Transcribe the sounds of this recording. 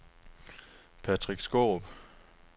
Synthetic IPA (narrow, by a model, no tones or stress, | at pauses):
pʰæd̥ʰʁiɡ̥sɡ̥oːb̥